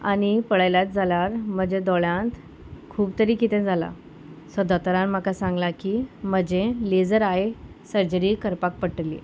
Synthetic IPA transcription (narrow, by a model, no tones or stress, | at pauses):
aɽ̃ipəɽajlat̪̚d͡zʱalaɾm̤əd͡ʑed̪ɔɭjãnt̪ | kʰuːbt̪əɾiːkit̪ɛ̃d͡zʱala̰ | sɔd̪at̪əɾãnm̤akasãŋɡlakiːm̤əd͡ʑeled͡zəɾae | səɾd͡ʑəɾikəɾpak̚pəʈəlḭ